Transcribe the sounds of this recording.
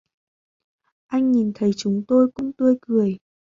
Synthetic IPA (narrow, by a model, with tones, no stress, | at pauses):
ʔa˧jŋ̟ɲi˨˩nt̪ʰə˨˦jt͡ɕʊ˨˦ŋ͡mt̪o˧jkʊ̰˧˥ŋ͡mt̪ɨ˧əjkɨ˨˩əj